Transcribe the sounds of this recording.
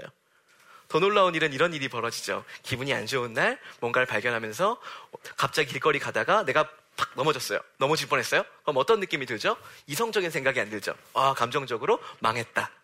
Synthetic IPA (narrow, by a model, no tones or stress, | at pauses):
jo̰ | tʌnoɭːaoniɾɯniɾʌniɾipʌɾʌd͡ʑid͡ʑo̰kibuɲia̰nd͡ʑounːaɭmwʌnɡaɭpaɭɡjʌnɦamjʌns̬ʰʌkap̚t͡ɕ͈aɡiiɭk͈ʌɾikadaɡane̞ɡa | pak̚nʌmʌd͡ʑʌs͈ʌjo̰nʌmut͡ɕiɭp͈unɦe̞s͈ʌjokɯɾʌmʌt͈ʌnːɯk͈imidɯɭd͡ʑoisʰʌŋd͡ʑʌɡinsʰe̞ŋɡaɡiandɯɭd͡ʑo̰akamd͡ʑʌŋd͡ʑʌɡɯɾomaŋɦe̞t̚t͈a